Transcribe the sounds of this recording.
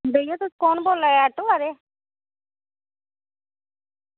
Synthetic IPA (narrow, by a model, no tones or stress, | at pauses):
beːjot̪ʊskɔːnboːlaːeaʈoaːɾeː